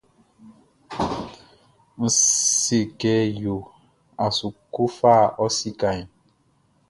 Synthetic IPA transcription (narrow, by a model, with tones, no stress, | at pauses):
n̩˨se˨kɛː˨˦jo˨ | a˨su˨ku˦faː˦˨ʔɔ˦si˦ka˨ɲ˨